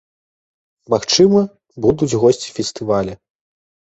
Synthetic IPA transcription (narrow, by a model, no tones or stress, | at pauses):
maxt͡ʂɨmɐ | bud̪ud͡zʲɣɔsʲt͡sʲi̥fʲɛst̪ɨvalʲɐ